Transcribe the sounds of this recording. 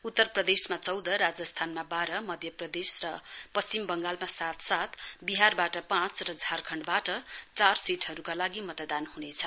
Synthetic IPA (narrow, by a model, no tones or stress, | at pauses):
ut̪ːʌrprʌd̪esmat͡sʌwd̪ʌɾad͡zʌst̪ʰanmabaɾʌmʌd̪ʱjʌprʌd̪esrʌpʌst͡simbʌŋɡalmasat̪sat̪biɦarbaʈʌpãt͡srʌd͡zʱarkʰʌɳɖbaʈʌt͡sarsiʈɦʌɾukalaɡimʌt̪d̪anhunet͡sʰʌ